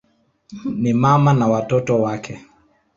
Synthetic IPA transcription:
nimamanawatɔtɔwakʰɛ

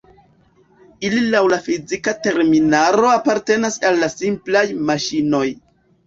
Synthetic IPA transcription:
ililawlafizikate̞ɾminaɾo̞apaɾte̞nasalːasimplajmaʃino̞j

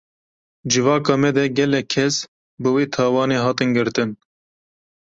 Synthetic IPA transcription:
d͡ʒɨvɑːkɑːmɛd̪ɛɡɛlɛkʰːɛs | bɨweːt̪ʰɑːwɑːneːɦɑːt̪ɨnɡɨɾt̪ɨn

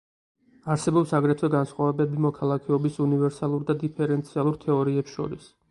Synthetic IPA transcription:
aɾsɛbɔpsaɡɾɛt̪ʰwɛɡansχwavɛbɛbimɔkʰalˠakʰɛɔbisunivɛɾsalˠuɾd̪ad̪ipʰɛɾɛnt̪sʰialˠuɾt̪ʰɛɔɾiɛpsʃɔ̰ɾḭs

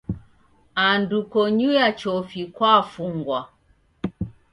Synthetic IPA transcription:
andukɔɲujat͡ʃɔfikwafuŋɡwa

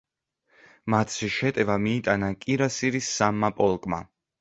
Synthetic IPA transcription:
mat̪ʰsʰiʃɛt̪ʼɛvamiːt̪ʼanakʼiɾasiɾisːamːapʼɔlˠkʼma̰

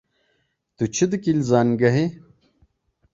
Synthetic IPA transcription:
t̪ut͡ɕʰid̪ɨkilzaːnɡɐɦe

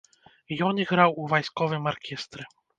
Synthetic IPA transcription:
jɔniɣɾawuvajskɔvɘmaɾkʲɛst̪ɾɛ

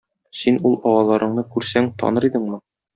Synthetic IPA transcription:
sinulˠɒwɑlˠɑɾɤ̆ɴnɤkʉɾsæŋt̪ɒ̰nɤɾid̪ɘŋmɤ

